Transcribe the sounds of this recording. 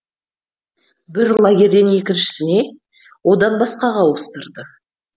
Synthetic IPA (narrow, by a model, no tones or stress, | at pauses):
bɪɾlˠɑɡʲe̞ɾd̪enje̞kʲɪnʃɪ̥sɪne̞ | wo̞d̪ɑnbɑsqɑʁɑwəst̪əɾd̪ə